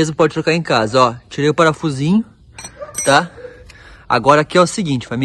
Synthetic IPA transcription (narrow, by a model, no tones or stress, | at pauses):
ezmʊpɔd͡ʒɪt̪ɾokaɾẽj̃kazɐɔt͡ʃiɾejʊpaɾɐfuzĩɲʊ | t̪a | a̰ɡɔɾɐakʲiɛʊsɪɡĩt͡ʃɪ̥fami